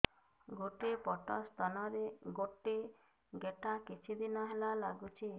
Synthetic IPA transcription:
ɡoʈepɔʈɔst̪ʰanɔɾeɡoʈi | ɡeʈakit͡ʃʰid̪inɔɦelalaɡut͡ʃʰi

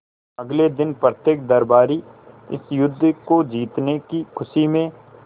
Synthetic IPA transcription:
ɐɡled̪ɪnpɾət̪jeːk̚d̪ɐɾbaːɾiɪ̰sjʊd̪ʱːkod͡ʒiːt̪nekikʰʊʃimẽ

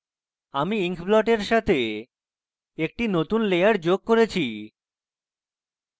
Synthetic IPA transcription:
amiiŋkʰblɔʈeɾʃat̪ʰe | ek̚ʈinot̪unlejaɾd͡ʑoɡ̚koɾet͡ɕʰi

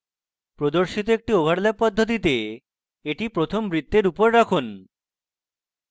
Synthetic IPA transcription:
pɾod̪oɾʃit̪oek̚ʈiobʱaɽlapɔd̪ʱːot̪̬it̪e | eʈipɾot̪ʰombɾid̪ːeɾupoɾɾakʰun

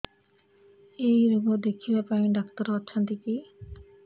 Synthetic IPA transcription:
ejɾuɡod̪ekʰibapaĩɖakt̪ɔɾɔːʃʰɔnt̪iki

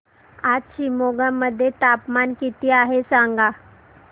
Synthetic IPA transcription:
atɕimoɡamːəd̪ʱːjet̪apmankit̪iːaɦesaŋɡa

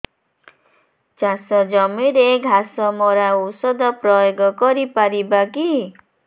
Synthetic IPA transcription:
t͡ʃasɔd͡ʒɔmiɾeɡʱasɔmɔɾausɔd̪ɔpɾɔjoɡɔkɔɾipaɾibaki

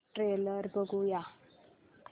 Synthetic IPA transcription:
ʈɾeləɾbəɡuja

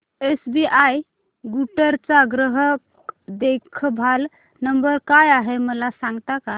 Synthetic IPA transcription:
esbiʔaj | ɡuʈəɾt͡saɡɾəɦək | d̪ekʰbʱal | nəmbəɾkajaɦeməlasãŋɡt̪aka

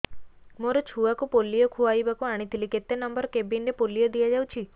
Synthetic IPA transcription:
moɾot͡ʃʰuʋakupolːijokʰuaibakũaɽ̃it̪ʰiliket̪ːenəmbəɾkebinɖepolːijod̪ijad͡ʒaʋũt͡ʃʰi

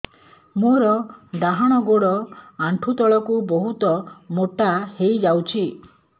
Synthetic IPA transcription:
muɾɔd̪aɦaɽ̃ɔɡoɽɔaɳʈʰut̪ɔɭɔkubɔɦut̪ɔmoʈahejd͡ʒawt͡ʃʰi

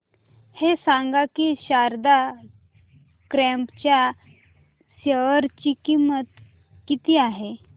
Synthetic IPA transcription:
hesaŋɡakiːɕaɾd̪a | kɾɛ̃mpt͡ɕja | ɕəʋəɾt͡ɕikimət̪ | kit̪iːaɦe

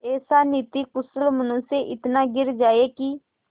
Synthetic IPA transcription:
eːsaːniːt̪iːkʊsəlmənʊseʔɪt̪naːɡɪɾd͡ʒaːeːki

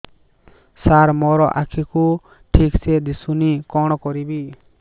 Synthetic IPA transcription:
saɾmɔɾɔʔa̰kʰiku | ʈʰiksɛd̪isunikɔɽ̃ɔkɔɾibi

